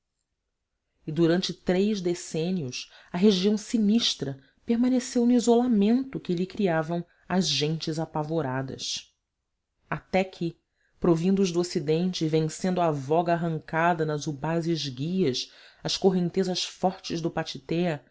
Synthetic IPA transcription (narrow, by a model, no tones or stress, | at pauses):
ɪd̪uɾɐ̃nt͡ʃɪt̪ɾejzd̪esẽniʊs | ɐɦeʒiɐ̃w̃siniʃt̪ɾɐ | peɾmãnesewnʊizolamẽnt̪ʊkɪʎɪkɾiavɐ̃w̃ | ɐzʒẽnt͡ʃɪzapavoɾad̪ɐ̰s | at̪ɛkʰɪ | pɾovĩnd̪ʊzd̪ʊosid̪ẽnt͡ʃɪvẽŋsẽnd̪uavɔɡɐaɦɐ̃ŋkad̪ɐnɐzubazɪzɡiɐsɐʃskoɦẽnt̪ezɐʃfɔɾt͡ʃɪzd̪ʊpat͡ʃit̪ɛɐ